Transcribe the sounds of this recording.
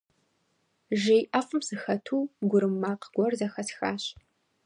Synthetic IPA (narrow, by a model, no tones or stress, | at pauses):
ʒijʔɐfʼɨmsɨxɐtʰuːɡʷʊɾɨmːaːqɡ̥ʷɔrzɐxɐsxa̰ːɕ